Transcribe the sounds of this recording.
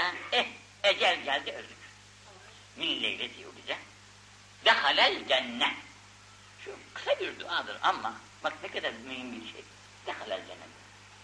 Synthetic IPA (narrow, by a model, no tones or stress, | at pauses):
ænɛ | ɛd͡ʒælʲɟælʲd̪iølʲd̪yc | minlʲejlʲet̪ʰijoɡid͡ʒɛ | d̪æxalʲælʲd͡ʒænːæ | ʃukʰɯ̥sabiɾd̪uʔaːd̪ɯɾamːa | baknɛkad̪aɾmyhimbiɾʃḛj | d̪̥æxalæ̰lʲd͡ʒæ̰nːɛ